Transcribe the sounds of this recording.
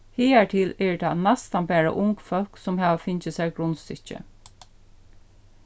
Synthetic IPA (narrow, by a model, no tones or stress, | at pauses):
hiːaɹt̪ʰɪlɛɹt̪ʰɑnɛst̪anbæːɹa̰ʔʊŋkfœl̥ksʊmɦæːʋafɪnt͡ʃɪsæjɡɾʊnst̪ʏht͡ʃə̰